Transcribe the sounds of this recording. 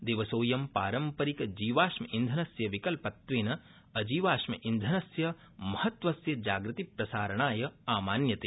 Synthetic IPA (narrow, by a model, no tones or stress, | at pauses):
d̪eːʋɐsoːjɐmpaːɾɐmpɐɾikɐd͡ʒiːʋaːʃmɐʔind̪ʱɐnɐsjɐʋikɐlpɐt̪ʋeːnɐ | ɐd͡ʒiːʋaːʃmɐ̰ʔind̪ʱɐnɐsjɐ | mɐhɐt̪ʋɐsjɐd͡ʒaːɡɾɨt̪ipɾɐsaːɾɐɳaːjɐaːmaːnjɐt̪eː